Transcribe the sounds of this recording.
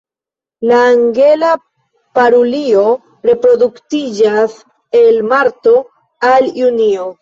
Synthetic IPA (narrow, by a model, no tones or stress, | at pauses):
laːŋɡe̞la | paɾulio̞ | ɾe̞pɾo̞duktid͡ʒas | e̞lmaɾto̞ | aljunio̞